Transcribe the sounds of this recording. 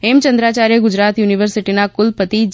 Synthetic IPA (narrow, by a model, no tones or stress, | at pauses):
emt͡ʃənd̪ɾat͡ʃaɾjəɡʊd͡ʒɾat̪juniʋəɾsiʈinakʊlpət̪id͡ʒ